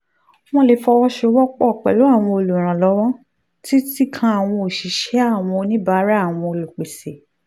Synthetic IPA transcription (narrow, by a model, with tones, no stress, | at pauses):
w̃ɔ̃˧le˨˧˦fɔ˧wɔ˦ʃo˦˧˦wɔ˦k͡pɔ˦˨k͡pɛ̰˨lo˨˦a˦˨w̃ɔ̃˧o˧lu˨ɾ̃ã˨lɔ˨˦w̃ɔ̃˦ | ti˦ti˦kʰã˧a˨w̃ɔ̃˧o˨ʃi˨ʃɛ˨˦a˦˨w̃ɔ̃˧nĩ˦ba˨˦ɾa˦a˦˨w̃ɔ̃˧o˧lu˨k͡pe˨se˨